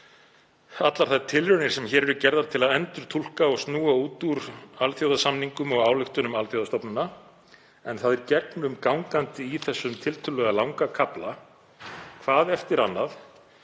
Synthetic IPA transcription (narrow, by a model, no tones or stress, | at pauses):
at̪laɾ̥θaðt̪ʰɪlrœnɪɾ̥sɛmçɛːɾɛɾʏcɛɾðaɾt̪ʰɪlaðɛnt̪ʏɾ̥t̪ʰul̥kaɔɣst̪nuːauːt̪uɾalθjowðasamniŋkʏmɔɣaːwlʏxt̪ʏnʏmalθjowðast̪ɔpnʏna | ɛnθaðɛɾcɛknʏmkawŋkant̪ɪiθɛsːʏmt̪ʰɪlt̪ʰʏlːɛɣalawŋkakʰapla | kʰvaːðɛft̪ɪɾa̰nːaθ